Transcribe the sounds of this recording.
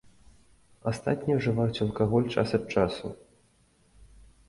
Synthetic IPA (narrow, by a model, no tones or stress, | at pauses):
ast̪at̪ʲnʲijɐʐɨvajut͡sʲɐlˠkaɣɔlʲt͡ʂa̰sɐt̪̚t͡ʂasu